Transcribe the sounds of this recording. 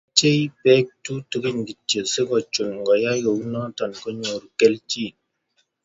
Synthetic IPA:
t͡ʃe˦jpɛ˦k̚tu˦tə˨ɡi˦ɲɡi˨tːə˨se˦ɡɔ˨t͡ʃu˨nŋ˨ɡɔ˨ja˦jo˨wnɔ˦tɔ˨nkɔ˦ɲo˨ɾke˦lt͡ʃi˦˨

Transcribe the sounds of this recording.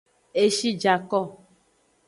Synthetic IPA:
e˦ʃi˦d͡ʒa˨kɔ˦˨

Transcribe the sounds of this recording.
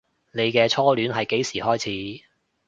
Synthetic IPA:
ne˨˧jkɛː˧t͡sʰɔː˥lyː˨˥nɦɐ˨jke˨˥jsiː˨˩hɔː˥jt͡sʰiː˨˥

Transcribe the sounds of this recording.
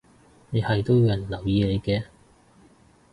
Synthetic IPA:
ne˨˧jhɐ˨jt̪o˥wjjɐ˨˩nlɐ˨˩wjiː˧ne˨˧jkɛː˧

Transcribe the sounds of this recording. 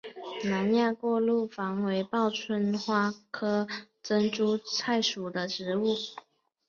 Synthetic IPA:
na˧˦nja˥˧kwɔ˥˧lu˥˩fɑ˧˥ŋwe˧˥ɪpɑ˥˨ʊt͡sʰwə˧˥nxwa˥kʰɤ˥ | t͡sə˥nʈ͡ʂu˥t͡sʰa˥˩ɪʂu˨˩d̪ə˦ʈ͡ʂɻ̩˨˧˦u˥˩

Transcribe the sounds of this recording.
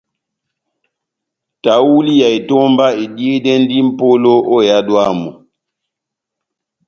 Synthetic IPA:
ta˨˦wu˦li˦ja˨i˨tɔ˦mba˦i˨di˦e˦dɛ˦n˦di˦m̩˦po˦lo˦ʔo˦˨ja˦dwaː˦mɔ̰˨

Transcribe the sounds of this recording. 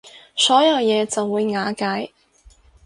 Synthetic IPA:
sɔː˨˥jɐ˨˧wjɛː˨˧t͡sɐ˨wːuː˨˧jŋaː˨˥kaː˨˥j

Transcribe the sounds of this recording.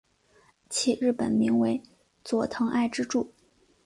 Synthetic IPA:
t͡ɕʰi˧˥ɻɻ̩˥˩pə̰˨˩nmi˧˥ŋwe˧˥ɪ | t͡swɔ˨˩t̪ʰɤ˧˥ŋa˥˧ɪʈ͡ʂɻ̩˥ʈ͡ʂu˥˩

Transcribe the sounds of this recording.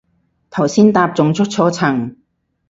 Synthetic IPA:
t̪ʰɐ˨˩wsiː˥nt̪aː˧p̚t͡sʊ˨ŋt͡sʰɵ˥k̚t͡sʰɔː˨˧˥t͡sʰɐ˨˩ŋ

